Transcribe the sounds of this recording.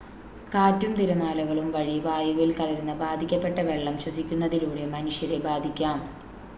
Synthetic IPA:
kaːtːjumt̪iɾɐmaːlɐɣɐɭumʋɐɻiʋaːjuʋilkɐlɐɾunːɨbaːd̪ʱikʲːɐpːe̞ʈːɐʋe̞ɭːɐmɕwɐsikʲːunːɐðiluːɽe̞mɐnuʂjɐɾebaːd̪ʱikʲːaːm

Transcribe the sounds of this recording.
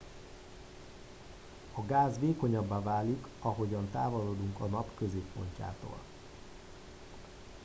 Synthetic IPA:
ɒɡaːzʋeːkoɲɒbːaːvaːlikɒɦo̞ɟɒnt̪aːvoloːd̪uŋkɒnɒpkøzeːpːo̞̰ɲca̰ːt̪o̰ːl

